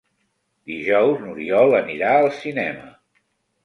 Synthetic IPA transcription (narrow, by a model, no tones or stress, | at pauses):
d̪iʒɔwznuɾiɔlˠəniɾaəlˠsinɛmə